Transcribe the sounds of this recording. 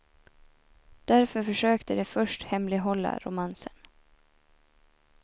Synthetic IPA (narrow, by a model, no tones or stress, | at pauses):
d̪̥æɾfœɾfœʂøːkt̪əd̪ɛfœʂʈhɛmlɪɦɔlːa̰ɾʊmansən